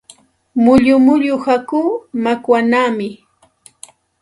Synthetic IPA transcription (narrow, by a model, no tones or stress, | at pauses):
mʊʎʊmʊʎʊhakuːmakwanaːmɪ